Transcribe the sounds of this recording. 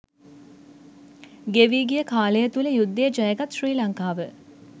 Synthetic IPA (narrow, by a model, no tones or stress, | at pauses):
ɡeʋiːɡijəkaːləjət̪uləjud̪ːejəd͡ʒɐjəɡat̪ʃriːlɐŋkaːʋə